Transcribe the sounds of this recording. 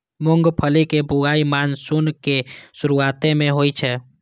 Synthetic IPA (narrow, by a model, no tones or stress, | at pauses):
mʊ̃ŋɡpʰəlikebʊɡaːimaːnsʊnkesʊɾuaːt̪ẽmẽɦoːit͡ʃʰɛ